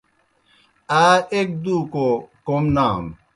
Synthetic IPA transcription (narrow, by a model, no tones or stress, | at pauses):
aek̚dukokomnam